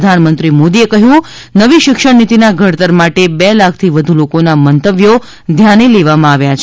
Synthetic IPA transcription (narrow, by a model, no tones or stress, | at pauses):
d̪ʱanmənt̪ɾimod̪iekəɦjũ | nəʋiʃɪkʃəɽnit̪inaɡʱəɽt̪əɾmaʈebɛlak̚ʰt̪ʰiʋəd̪ʱulokonamənt̪əʋjo | d̪ʱjaneleʋamãaʋjat͡ʃʰ